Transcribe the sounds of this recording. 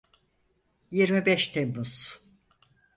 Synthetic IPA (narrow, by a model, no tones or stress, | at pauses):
jiɾmibɛʃt̪ʰembuz̥